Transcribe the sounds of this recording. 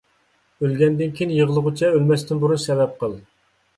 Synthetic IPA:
ølɡʲɛnd̪ɪnkʲʰijinjəʁəlˠəʁʊt͡ʃʰɛølmɛst̪ɪnbuɾunsɛvɛp̚qəlˠ

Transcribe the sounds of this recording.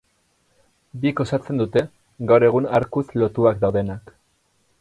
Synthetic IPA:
biko̞sat͡se̞nd̪ut̪e̞ | ɡawɾe̞ɣ̞unaɾkuslo̞t̪uakd̪awðe̞nak

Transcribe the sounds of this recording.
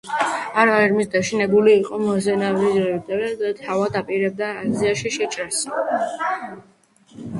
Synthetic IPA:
aɾaɛɾmisd̪aʃinɛbuliːqʼɔmɔzɛnavɾizɾɛd̪aɾɛd̪at̪ʰavad̪apʼiɾɛb̚d̪aːziaʃiʃɛt͡ʃʼɾas

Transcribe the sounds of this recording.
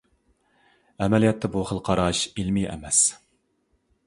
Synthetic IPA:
ɛmɛlijɛt̪ʰːɛbuχəlˠqʰɑɾɑʃilmiɛ̰mɛs

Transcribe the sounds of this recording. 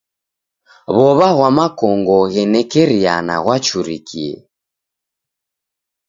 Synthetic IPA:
βɔβaɣwamakɔŋɡɔɣɛnɛkɛɾiana̰ɣwat͡ʃuɾikiɛ̰

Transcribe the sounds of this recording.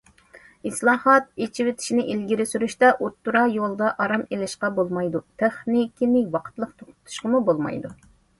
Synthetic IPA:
ɨslˠɑːhɑt̪̚et͡ʃʰiwɪt̪ʰɪ̥ʃinɪʔilɡʲiɾɪsyɾyʃt̪ɛʔut̪ːuɾɑjolˠd̪ɑʔɑɾɑmelɪʃqɑbolˠmɑjd̪ut̪ʰeχnikʲinɪwɑqʰə̥t̪lˠəqt̪ʰoqʊ̥t̪ʰu̥ʃqəmubolˠmɑ̰jd̪u

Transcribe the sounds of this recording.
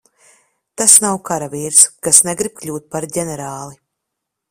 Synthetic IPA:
t̪asnawkaɾaviɾskasnɛɡɾib̥̚klʲuːt̪̚paɾɟʲɛnɛɾaːlˠi

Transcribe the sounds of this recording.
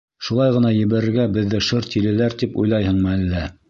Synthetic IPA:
ʃulˠɑjʁɤ̆nɑjɘ̆βæɾɘ̆ɾɡæbɘ̆ðːɘʃɤɾt̪ilɘ̆læɾt̪ipṵjlˠɑjhɤ̆ɴmɤælːæ

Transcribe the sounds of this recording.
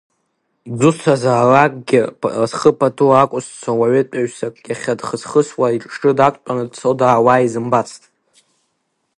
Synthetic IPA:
d͡zʷʊsʰazaːrakʼɡʲɪasχəpʰatʰuakʷʼʊst͡ʃʷʰawaɥet͡pʼaɥsakʼɡʲaχʲadχəzχəswaiʈ͡ʂʼʂʈ͡ʂʼɨdakʷʼt͡pʼanɨdt͡sʰodaːwaːizɨmbat͡sʰtʼ

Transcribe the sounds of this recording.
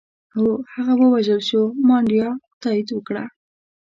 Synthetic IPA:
awhaɣawəwaʒalʃomɑɳɖijɑt̪ɑid̪wəkɽa

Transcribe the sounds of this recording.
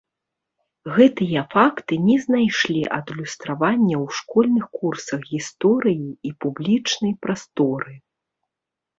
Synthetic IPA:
ɣɛt̪ɨjɐfakt̪ɨnʲɛznajʂlʲiʔɐd̪lʲust̪ɾavanʲːɐwʂkɔlʲnɨxkursɐxɣʲist̪ɔɾɨjiːpublʲit͡ʂnɐjpɾast̪ɔɾɨ

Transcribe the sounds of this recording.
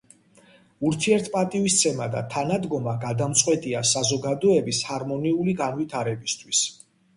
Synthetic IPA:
uɾt̪ʰiɛɾt̪ʰpʼat̪ʼivist̪sʰɛmad̪a̰t̪ʰanad̪ɡɔmaɡad̪amt̪sʼqʼwɛt̪ʼiasazɔɡad̪ɔɛbishaɾmɔniuliɡanvit̪ʰaɾɛbist̪ʰwis

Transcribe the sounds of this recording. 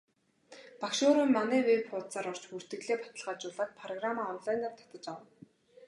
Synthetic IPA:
pakʃoːɾimːanæːwepχʊːt̪t͡saːɾɔr̥t͡ɕpur̥t̪ɘ̆ɣɮeːpḁt̪ə̆ɮʁaːt͡ɕʊːɮaːt̪̚pʰrɔɣramaːɔnɮajnart̪ʰḁt̪ə̆t͡ɕawə̆n

